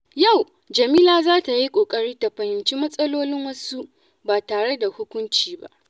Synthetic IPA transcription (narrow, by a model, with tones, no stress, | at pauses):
ja˦˨w | d͡ʒɐ˨miː˦laː˨zaː˦ta˨ji˦kʷʼoː˨kʼɐ˦ɽiː˦ta˨ɸɐ˨hɪ˨nt͡ʃiː˦mɐ˦sʼɐ˦loː˦lɪ˦ŋwɐ˦su˦ʔ | baː˨taː˨ɽe˦da˨hʊ˦kʷʊ˦nt͡ʃiː˨ba̰˦ʔ